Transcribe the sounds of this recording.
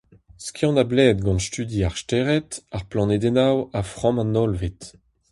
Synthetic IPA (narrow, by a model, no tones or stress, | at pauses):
skjɔ̃nablɛːd̪̚ɡɑ̃nst̪yd̪iaʁstɛʁɛtaʁplɑ̃ned̪ɛnawafχɑ̃mãnɔlvit